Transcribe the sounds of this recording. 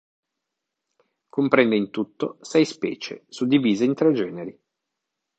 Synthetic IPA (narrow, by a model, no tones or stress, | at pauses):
kompɾɛnd̪eint̪ut̪ːosɛjspɛ̰ːt͡ʃḛsud̪ːiviːzaint̪ɾɛd͡ʒɛːneɾi